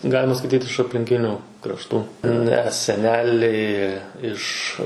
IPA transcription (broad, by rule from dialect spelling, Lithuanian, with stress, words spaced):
ˈɡɑːlʲɪmɐ skɐɪˈtʲiːt ɪʃ ɐpʲlʲɪŋʲˈkʲɪnʲuː krɐʃˈtuː ˈnʲɛ sʲɛˈnʲæːlʲɛɪ ˈɪʃ